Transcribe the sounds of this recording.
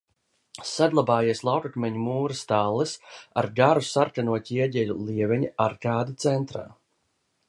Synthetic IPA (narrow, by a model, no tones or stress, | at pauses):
sad̪lˠabaːjiɛslˠawkakmʲɛɲumuːɾɨst̪alˠːɨsa̰ɾɡaɾusaɾkanuɔt̪ʲiiɛɟʲɛlulˠiɛvɛɲiaɾkaːd̪it̪sɛnt̪ɾa̰ː